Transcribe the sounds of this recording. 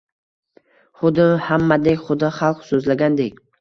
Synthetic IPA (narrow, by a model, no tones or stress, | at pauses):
χʊd̪ɪhamːad̪ekʲχʊd̪ɪχɑlˠqsɵzlaɡʲand̪ekʲ